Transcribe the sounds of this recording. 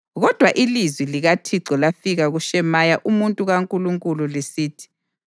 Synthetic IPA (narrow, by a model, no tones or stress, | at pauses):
ɣɔd̥ʱwaʔilizwiliɣatʰiǀɔlafiɣaɣuʃɛmajaʔumuntʼuɣaŋkʼuluŋkʼululesiːtʰi̥